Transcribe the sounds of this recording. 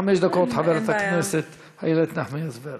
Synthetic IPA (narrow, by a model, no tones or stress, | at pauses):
amɛʃd̪akotħavɛɾɛt̪aknɛsɛt̪ | ha̰jɛlɛt̪naħmiasvɛɾ